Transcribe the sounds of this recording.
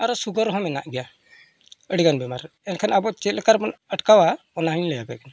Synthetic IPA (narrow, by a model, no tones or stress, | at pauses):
aɾɔsuɡəɾɦɔ̃mɛna̰ʔɡɛja | əɽiɡanbɛmaɾ | ɛnkʰanabɔt͡ʃɛt̪lɛkʰaɾbɔnəʈkawa | ɔnaɦəɲlɛjabɛkɛn